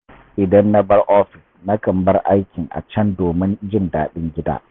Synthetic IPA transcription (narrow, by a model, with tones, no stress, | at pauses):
ʔɪ˨dɐ˦nːa˦bɐ˦rʔɔː˦ɸɪ˨sna˦kɐ˨mbɐ˦rʔa˦jkʲɪ˨ŋʔa̰˨t͡ʃɐ˦ndoː˨mɪ˦nd͡ʒɪ˦ndaː˨ɗɪ˦ŋɡʲɪ˦da̰ː˦